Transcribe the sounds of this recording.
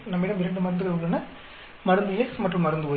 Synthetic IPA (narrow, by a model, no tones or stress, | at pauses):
nɐmɐɪːɽɐmɪɾɐɳɖɯmɐɾɐnd̪ɯkːɐɐɡlɐnːɐ | mɐɾɯnd̪ɯjɛsmɐʈːrɯ̃mɐɾɯnd̪ɯpoː